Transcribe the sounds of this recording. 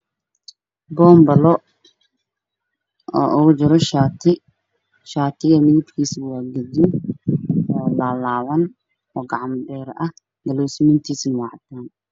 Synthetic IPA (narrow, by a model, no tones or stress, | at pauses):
bɔːmbɐlɔ | ɔ̰ːʔʊɣʊd͡ʒɪɾɔʃat̪ʰɪ | ʃaːt̪ʰɪɣɐmɪðɪt̪kʰiːswaːɡɐdɪn | ɔːlaːlaːwɐn | ɔːɡɑʕɑmɖɛːɾɐh | ɡ̪ɐlɔsɪmɪnt̪ʰiːsnʊwɑʕt̪aːn